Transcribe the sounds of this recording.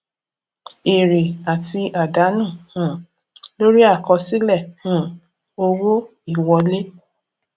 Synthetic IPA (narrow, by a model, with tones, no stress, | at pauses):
e˨ɾe˨a˨ti˧ʔa˨da˨˦nũ˦˨hũ˨˦˨ | lo˦ɾi˦a˦˨kɔ˧si˦lɛ˦˨hũ˨˦ | o˧wo˦ | i˦˨wɔ˧le˦